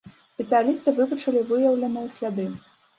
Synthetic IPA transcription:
sʲpʲɛt̪sɨjalʲist̪ɨvɨvut͡ʂɐlʲivɨjɐwlʲɐnɨjwsʲlʲad̪ɨ

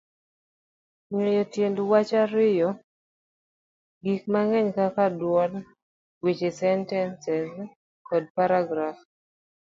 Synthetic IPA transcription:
ɲejɔtjendwat͡ʃaɾɪjɔ | ɡik̚maŋɛɲkakadwɔl | wit͡ʃesɛntɛnsɛz | kɔd̚paɾaɡɾaf

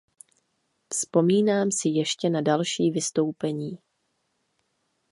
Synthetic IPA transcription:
fspo̞miːnaːmsɪjɛʃcɛnadalʃiːvɪst̪o̞wpɛɲiː

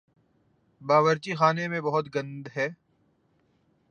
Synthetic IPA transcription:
baːʋəɾt͡ʃixaːnemẽbɐɦʊt̪ɡɐ̃nd̪ɦɛː

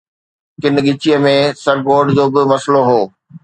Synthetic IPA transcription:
kɪnɠɪt͡ɕijəmẽsɐɾɡoːɖd͡ʑoːbɪmɐsloɦoː

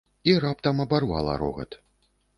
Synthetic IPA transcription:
iɾapt̪ɐmɐbarva̰lˠɐ̰ɾɔ̰ɣɐ̰t̪

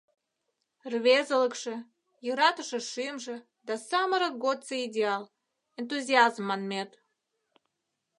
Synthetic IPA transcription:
rβezələkʃĕ | jəɾɑt̪ə̆ʃə̆ʃɨmʒĕ | d̪ɑsɑməɾəɡot̪t͡səidʲeɑl | ent̪̬uzʲiɑzmːɑnmʲet̪

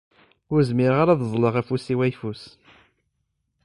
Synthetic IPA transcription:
ʊɾzmɪɾʁaɾaððˤləʁæfusiwæjfus

